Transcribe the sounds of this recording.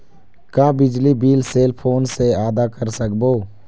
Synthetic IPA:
kaːbɪd͡ʒlibiːlseːlpʰoːnseaːd̪akəɾsəkboː

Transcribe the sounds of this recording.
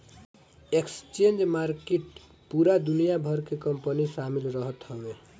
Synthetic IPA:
ekst͡ʃend͡ʒmaɾkeʈ | puɾad̪unijabʱʌɾkekʌmpənisamilɾʌɦʌt̪hʌbe

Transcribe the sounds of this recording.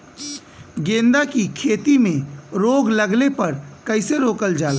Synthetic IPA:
ɡẽːnd̪akikʰeːt̪imẽɾoːɡlɐɡlepɐɾkɐɪseɾoːkəld͡ʒaːla

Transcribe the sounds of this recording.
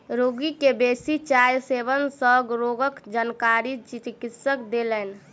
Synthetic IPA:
ɾoɡikebesit͡ʃajsebənsəɡɾoɡəkd͡ʒankaɾit͡ʃit̪kɪt̪səkd̪elɛn

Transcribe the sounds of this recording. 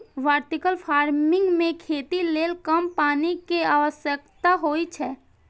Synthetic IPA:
ʋaːɾt̪ɪkəlpʰaːɾmɪ̃ŋɡmẽkʰeːt̪ileːlkəmpaːnikeaːʋəʃjəkt̪aɦoːit͡ʃʰɛː

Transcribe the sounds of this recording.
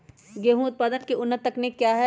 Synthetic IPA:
ɡeɦũʊt̪̚paːd̪ənkeʊnːət̪ːɐknekjaːɦɛ

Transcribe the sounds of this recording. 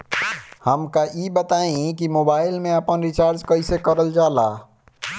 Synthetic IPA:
həmkajiːbət̪aːĩkimoːbaːɪlmẽəpənɾɪt͡ʃaːɾd͡ʒkɐisekəɾəld͡ʒaːlaː

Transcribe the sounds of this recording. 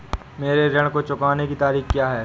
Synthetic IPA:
meːɾeɾɐɽ̃kot͡ʃʊkaːnekit̪aːɾiːxkjaːɦɛː

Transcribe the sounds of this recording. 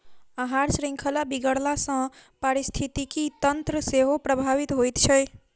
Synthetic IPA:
əɦaɾsɾiŋkʰəlabiɡəɽlasə̃pəɾist̪ʰit̪ikit̪ənt̪ɾəseɦopɾəbʱaβit̪ɦojt̪t͡ʃʰəj

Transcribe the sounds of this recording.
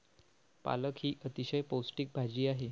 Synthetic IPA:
pa̰ləkɦiːʔət̪iɕəjposʈiːk̚bʱad͡ʑiːaɦe

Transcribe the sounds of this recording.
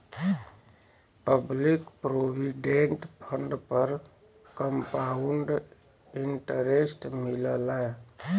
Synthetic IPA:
pəblikpɾobiɖeɳʈpʰəɳɖpəɾ | kəmpauɳɖ | iɳʈəɾesʈmiləla

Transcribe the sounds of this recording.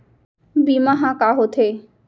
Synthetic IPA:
bimaɦakaɦot̪ʰe

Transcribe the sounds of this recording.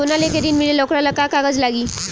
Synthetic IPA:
onaleked̪inmilelɔkɾalakakaɡəd͡zlaɡi

